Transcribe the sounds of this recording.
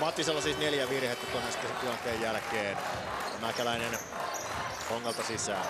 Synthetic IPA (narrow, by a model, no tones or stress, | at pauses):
mɑt̪ːiselːɑsist̪neljæʋirhet̪ːækonest̪ːɑst̪ilɑnt̪eːjjælkeːn | onækælæinen | koŋːɑlt̪ɑsisæ